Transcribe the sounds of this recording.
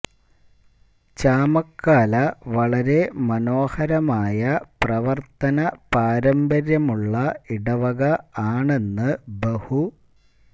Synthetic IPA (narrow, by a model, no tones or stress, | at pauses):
t͡ɕaːmɐkʰːaːlɐʋɐɭɐɾe̞mɐno̞ːhɐɾɐmaːjɐprɐʋɐrt̪ɐnɐpaːɾɐmbɐɾjɐmuɭːɐiɽɐʋɐɣɐaːɳe̞nːɨbehu